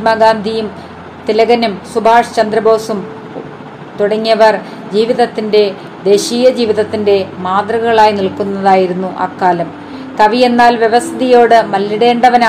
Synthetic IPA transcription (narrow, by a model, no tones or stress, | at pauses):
maːɡaːnd̪ʱijum | t̪ilɐɣɐnumsubʱaːʂt͡ɕɐnd̪ɾɐbʱo̞ːsum | t̪uɽɐŋːijɐʋɐr | d͡ʑiːʋiðɐt̪ːinde̞ | d̪e̞ːɕiːjɐd͡ʑiːʋiðɐt̪ːinde̞maːd̪rɐɣɐɭaːjiniɭkunːɐðaːjiɾunːuʔa̰ːkːaːlɐm | kɐʋije̞nːaːlʋjeʋɐsɐðijo̞ːɽɨmɐlːiɽe̞ːɳɖɐʋɐn